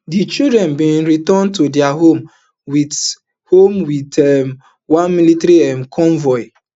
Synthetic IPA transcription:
dit͡ʃidɾɛnbĩn̩ɾitɔntodɪaɦom | wit | homwitɛm | wãnmilitɾiɛ̃nkʰɔ̃ɱvɔɪ

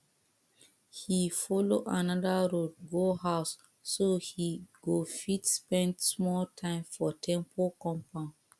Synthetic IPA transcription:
hifɔloʔanadaɾod̚ɡohaʊsː | ohiɡ̥ofitspɛ̃ndsmɔltʰãɪ̃mfɔtʰɛ̃mpʰokɔ̃mpã

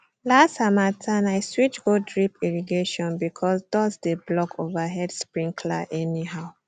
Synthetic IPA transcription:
lastamatʰãnaɪswit͡ʃɡodɹipiɹiɡeʃɔ̃nbikʰɔsdɔsdeblɔkʰovaɦɛdspɹĩŋkʰla̰ʔɛnihaʊ

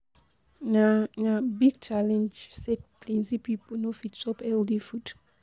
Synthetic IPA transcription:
nanabiɡ̚t͡ʃalɛ̃nd͡ʒsɛt̚plĩnzipiponofitsɔpɛldifud

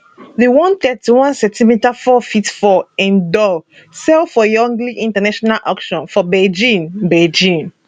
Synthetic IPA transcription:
ðewɔ̃nt̪ɛtiwɔ̃nsɛ̃ntimitafɔfitfɔɛ̃ndɔ | sɛlfɔjɔ̃ŋɡliʔĩntanaʃɔnalʔɔkʃɔ̃nfɔbed͡ʒĩnbɛd͡ʒĩn

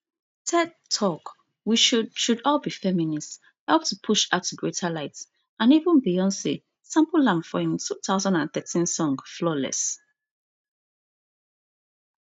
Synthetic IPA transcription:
tʰɛdtʰɔk | wiʃʃudɔlbifɛminist | hɛlp̚tʰupʰuʃaʊtʰːuɡɹetʰalaɪts | ʔãnivə̃nbiɔ̃nse | sãmpəlãmfɔĩntʰuθaʊzãndãnθɛtĩnsɔ̃ŋflɔlɛ̰s

